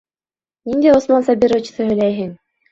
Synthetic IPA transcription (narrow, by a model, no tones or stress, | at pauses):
nind̪æjosmɑnsɑbʲiɾot͡ɕ̆sɤɦɵ̆jlæjɦɘŋ